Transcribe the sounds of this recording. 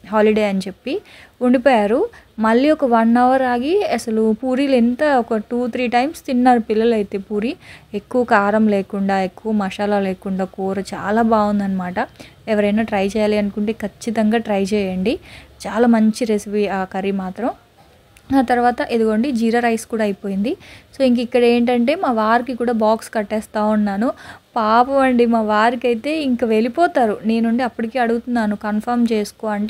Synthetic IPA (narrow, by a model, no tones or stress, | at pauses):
ɦaːliɖejɐnit͡ʃe̞pːiuɳɖipɔːjaːɾumɐɭːiɔkɐʋɐnːɐʋɐɾaːɡiɐsɐlupuːɾiːlent̪ɐɔkɐʈuːt̪ʰɾiːʈɐjmst̪inːaːɾupilːɐlɐjit̪e̞ːpuːɾiekːuʋɐkaːɾɐmleːkuɳɖaːekːuʋɐmɐʃaːlaːleːkuɳɖaːkuːɾɐt͡ʃa̰ːlaːbaːɡund̪ɐnːɐmaːʈɐ | ɛʋɐɾɐjnaːʈɾɐjt͡ʃɛːjaːliɐnkuɳʈe̞ːkʰɐt͡ʃːit̪ɐŋɡaːʈɾɐjt͡ʃɛːjɐɳɖit͡ʃaːlaːmɐɲt͡ʃiɾesipiːaːkɐɾimaːt̪ɾɐm | aːt̪ɐɾuʋaːt̪ɐʔed̪uɡoːɳɖid͡ʒiːɾɐːɾɐjskuːɽaːjipo̞ːjind̪isoːiŋk̬ɐikːɐɽe̞ːɳʈ̬ɐɳʈe̞ːmaːʋaːɾikikuːɽaːbaːkskɐʈːɛːst̪aːunːaːnupaːpɐʋɐɳɖimaːʋaːɾikɐjit̪e̞ːiŋkɐʋe̞lipɔːt̪aːɾune̞ːnuɳɖiɐpːɐʈikeːɐɽuɡut̪unːaːnukɐnpʰɐɾmt͡ʃeːsu̥koːɐɳʈe